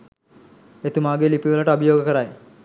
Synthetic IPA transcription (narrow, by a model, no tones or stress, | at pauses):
et̪umaːɡeːlipiʋəlaʈəabijoːɡəkəɾaj